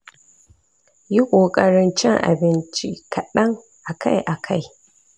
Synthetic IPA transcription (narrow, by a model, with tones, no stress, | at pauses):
ji˦kʷʼoː˨kʼɐ˨ɽɪ˦nt͡ʃɪ˦ŋʔa̰˨bɪ˦nt͡ʃi˦kɐ˨ɗɐ˦ŋ | ʔa˨ka˦jʔa˨kʰa˦˨j